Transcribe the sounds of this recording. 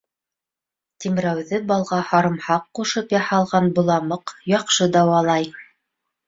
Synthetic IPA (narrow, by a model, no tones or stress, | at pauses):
t̪imɾæwðɘbɑlˠʁɑhɑɾɤ̆mhɑqːuʃɤpjɑhɑlˠʁɑnbŏlˠɑmɤqjɑqʃɤd̪ɑwɑlˠɑj